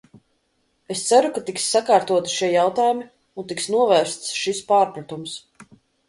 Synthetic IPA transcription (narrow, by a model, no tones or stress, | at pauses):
est̪saɾukat̪iksːakaːɾt̪uɔt̪i̥ʃiɛjawt̪aːjumi | unt̪iksnuɔvæːɾst̪sʃispaːɾpɾat̪ums